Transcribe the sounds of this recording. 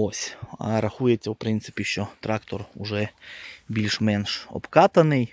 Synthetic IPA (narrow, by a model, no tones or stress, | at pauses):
osʲɐ̰ɾɐxujetʲt͡sʲːɐwpɾɪnt̪sɪ̥pʲiʃt͡ʃɔt̪ɾɑkt̪ɔrʊʐɛbʲilʲʃmɛnʃɔ̰pkɑt̪ɐnɪj